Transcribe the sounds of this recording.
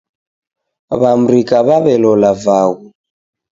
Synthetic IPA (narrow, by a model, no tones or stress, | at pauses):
βam̩ɾikaβaβɛlɔlavaɣu